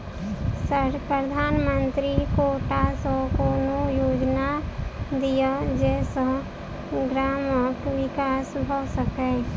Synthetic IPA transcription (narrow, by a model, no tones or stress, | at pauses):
səɾpɾəd̪ʱaːnmə̃nt̪ɾikoːʈasɔkonojoːd͡ʒnad̪ijad͡ʒɛːsa | ɡɾaːmɔːʈwɪkaːsbʱosəkeː